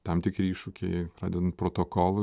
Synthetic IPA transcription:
t̪ɐmt̪ʲɪkɾʲɪiːʃʊkʲɛɪrɑːd̪ʲɪnɐnt̪pɾoːt̪oːkoːlˠʊ

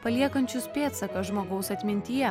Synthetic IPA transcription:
pɐlʲiɛkɐnʲt͡ʃʲʊspʲeːt̪sɐkɐʒmoːɡɐʊsɐt̪ʲmʲɪnʲt̪ʲɪjɛ

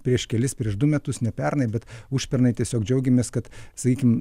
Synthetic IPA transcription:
pʲɾʲiɛʃkʲɛlʲɪspʲɾʲiɛʃd̪ʊmʲɛt̪ʊsnʲɛpʲɛrnɐɪbʲɛt̪uʃʲpʲɛɾnɐɪt̪ʲiɛsʲoːkd͡ʒʲɛʊɡʲɛmʲeːskɐt̪sɐkʲiːkʲɪm

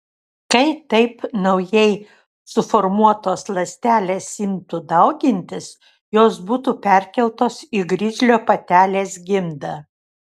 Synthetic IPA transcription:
kɐɪt̪ɐɪpnɐʊjɛɪ | sʊfɔɾmuɔt̪oːslˠɐsʲt̪ʲæːlʲeːsɪmt̪ud̪ɐʊɡʲɪnʲt̪ʲɪs | joːsbuːt̪upʲɛɾʲkʲɛlˠt̪oːsiɡɾʲɪd͡ʒʲlʲoːpɐt̪ʲæːlʲeːsɡʲɪmd̪ɐ

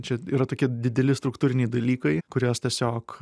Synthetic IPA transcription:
t͡ʃʲɛiːɾɐt̪oːkʲɪd̪ʲɪd̪ʲɛlʲɪst̪ɾʊkt̪uːɾʲɪnʲɛɪd̪ɐlʲiːkɐɪkʊɾʲoːst̪ʲiɛsʲoːk

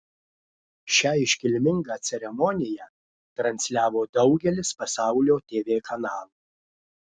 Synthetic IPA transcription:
ʃʲæːɪʃʲkʲɪlʲmʲɪŋɡɑːt̪sʲɛɾʲɛmɔnʲɪjæ | t̪ɾɐnʲsʲlʲæːʋoːd̪ɐʊɡʲɛlʲɪspɐsɑˑʊlʲoːt̪ʲeːʋʲeːkʰɐnɑːlˠu

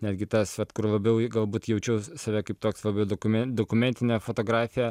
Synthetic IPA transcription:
nʲæːdʲɡʲɪt̪ɐsʋɐt̪kʊrlˠɐbʲɛʊɡɐlˠbuːt̪jɛʊt͡ʃʲɛʊsɐʋʲɛkɐɪpt̪oːkslˠɐbʲɛʊd̪okʊmʲɛd̪oːkʊmʲɛnʲt̪ʲɪnʲɛːfoːt̪oːɡɾɑːfʲɪjɛ

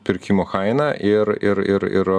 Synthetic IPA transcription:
pʲɪɾʲkʲɪmoːxɐɪnɐʔʔɪɾɪɾɪɾɪ̰ɾ

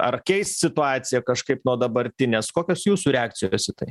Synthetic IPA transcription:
ɐ̰rkʲɛɪst̪sʲɪt̪ʊɑːt̪sʲɪjɛkɐʃkɐɪpnuɔd̪ɐbɐɾʲt̪ʲɪnʲeːskoːkʲoːsjuːsuɾʲɛɑːk̚tt͡s̪ʲɪjoːsʲɪt̪ɐɪ

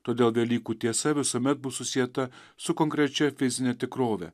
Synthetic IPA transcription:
t̪oːd̪ʲeːlˠʋʲɛlʲiːkuːt̪ʲiɛsɐʋʲɪsuːmʲɛt̪̚bʊsʊsʲɪjɛt̪ɐ | sʊkɔŋʲkɾʲɛt͡ʃʲɛfʲɪzʲɪnʲɛt̪ʲɪkɾoːʋʲɛ̰

